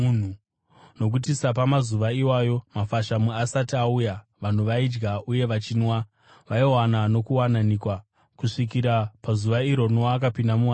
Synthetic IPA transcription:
n̤u | no̞k̬ut̬isap̬amazuʋaiwajo̞mafaʃamuasatauja | ʋan̤uʋaid͡ʒɡauje̞ʋat͡ʃinwa | ʋaiwanano̞kuwananikwa | kuʂik̬iɾapazuʋaiɾo̞noːkapindamuwa

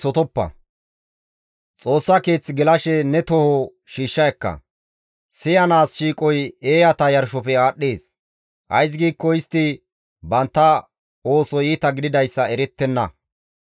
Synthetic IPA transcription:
sɔt̪ɔpːɐ̰ | t͡sʼo̞ːsːɐke̞ːt͡sːɡɛlɐʃɛnɛt̪ɔhɔ | ʃiːʃːɐjɐkːɐ̰ | sɪjɐnaːsʃiːkʼɔjeːjɐt̪ɐjɐɾʃɔpɛaːɗːe̞ːs | ʔɐ̰js̬ɡiːkːɔɪst̪ːɪ | bɐnt̪ːɐ | o̞ːsɔjiːt̪ɐɡɪd̪ɪd̪ɐjsːɐɛɾɛt̪ːɛnːɐ

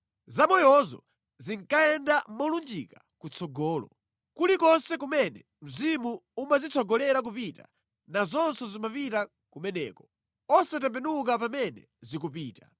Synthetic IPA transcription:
zamɔjɔzɔ̰ | ziŋkaɛndamɔlund͡ʒika | kut͡sɔɡɔːlɔ̰ | kulikɔnsɛkumɛnɛ | m̩zimuumazit͡sʰɔɡɔlɛɾak̬upita̰ | nazɔnsɔzimapita | kumɛnɛ̰ːkɔ | ɔsat̬ɛmpɛnuk̬ap̬amɛnɛ̰ | zikupiːta

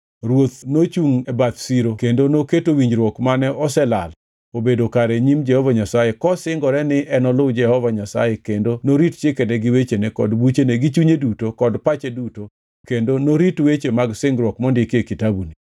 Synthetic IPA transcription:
ɾwot̪not͡ʃuŋɛbat̪siɾokendonoketowiɲd͡ʒɾwɔkmanɛɔsɛla̰l | obedokaɾɛɲimd͡ʒɛhɔvaɲasajekɔsɪŋɡɔɾɛnɪʔɛnɔlʊd͡ʒɛhɔvaɲasa̰jekendonoɾitt͡ʃɪkenɛɡɪwet͡ʃenekɔ̰dbut͡ʃeneɡit͡ʃuɲedutokɔdpat͡ʃeduto | kendonoɾitwet͡ʃemaɡsɪŋɡɾwɔkmɔndɪkekitabuni

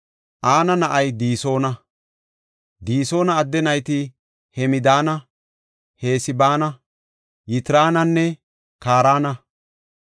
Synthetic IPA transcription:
ʔaːnɐnɐʔɐjd̪iːso̞ːnɐ | d̪iːso̞ːnɐːd̪ːɛnɐjt̪ɪ | hɛmɪd̪aːnɐ | he̞ːsɪbaːnɐ | jɪt̪ɪɾaːnɐnːɛ | kaːɾaːnɐ

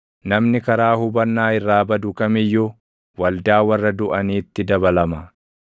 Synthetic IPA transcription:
nɐmnɪkɐɾaːhʊbɐnːaːɪrːaːbɐd̪ʊkɐmɪjːʊ | wɐld̪aːwɐrːɐd̪ʊʔɐniːt̪ːɪd̪ɐbɐlɐmɐ

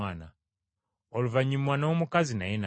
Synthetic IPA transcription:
aːna | oluvaɲimwaːnawomukazina̰jena

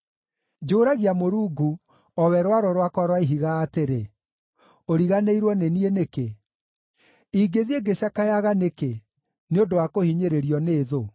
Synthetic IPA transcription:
d͡ʒoːɾaɣiamoɾuːɡu | ɔwɛɾwaɾɔɾwakɔɾwaiɦiɣaːteɾe | oɾiɣaneiɾwɔnenieneke | iːɡeðieɡeɕjakajaɣaneke | neodowakohiɲeɾeɾiɔneːðo

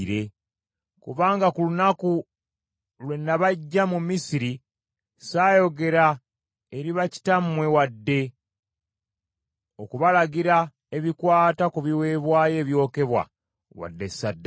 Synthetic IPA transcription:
ɾe̞ | kuβaːŋɡakulunaku | lwenːaβaɟːamumisiɾi | saːjo̞ɡe̞ɾa | e̞ɾiβaci̥tamwe̞wadːe̞ | o̞kuβalaɡiɾa | e̞βikwaːtakuβiwe̞ːβwaːje̞ːβjo̞ːke̞βwa̰ | wa̰dːesːadː

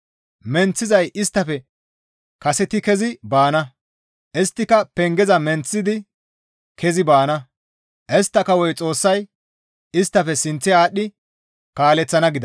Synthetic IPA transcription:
mɛnt͡sːɪzɐjʔɪst̪ːɐfɛ | kɐsɛt̪ɪkɛzɪbaːnɐ | ʔɛst̪ːɪkɐpɛŋɡɛzɐmɛnt͡sːɪd̪ɪ | kʰɛzɪbaːnɐ | ʔɛst̪ːɐkɐwɔjt͡sʼo̞ːsːɐj | ɪst̪ːɐfɛsɪnt͡sːɛaːɗɪ | kaːlɛt͡sːɐnɐɡɪd̪ɐ

